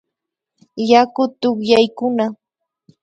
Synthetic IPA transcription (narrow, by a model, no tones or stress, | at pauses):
jakʊt̪ʊχjajkʊna